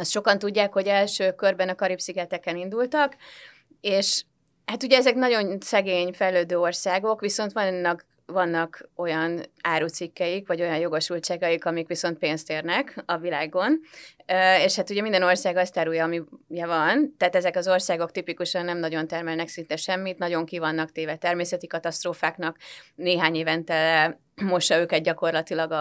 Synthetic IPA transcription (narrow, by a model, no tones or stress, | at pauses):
ɒst̪ʃo̞kɒnt̪uɟːaːkho̞ɟɛlʃøːkørbɛnɒkɒɾipsiɡɛt̪ɛkɛnind̪ult̪ɒk | eːʃ | hat̪uɟɛɛzɛknɒɟo̞nsɛɡeːɲfɛjløːd̪øːo̞rsaːɡo̞kʋiso̞nt̪ʋɒnːɒk | ʋɒnːɒko̞jɒnaːɾuːt̪sikːɛjikʋɒɟo̞jɒnjo̞ɡo̞ʃult͡ʃaːɡɒjikɒmikʋiso̞nt̪̚peːnst̪eːrnɛkɒvilaːɡo̞n | eːʃhat̪uɟɛmind̪ɛno̞rsaːɡɒst̪aːɾujɒːmijɛvɒnt̪ɛːt̪ɛzɛkɒzo̞rsaːɡo̞k̚t̪ipikuʃɒnːɛmnɒɟo̞nt̪ɛrmɛlnɛksint̪ɛʃɛmːit̪nɒɟo̞ŋkivɒnːɒkt̪eːvɛt̪ɛrmeːsɛt̪ikɒt̪ɒst̪roːfaːknɒkneːɦaːɲeːvɛnt̪ɛlːɛ | mo̞ʃːɒøːkɛt̪̚ɟɒko̞rlɒt̪ilɒɡɒ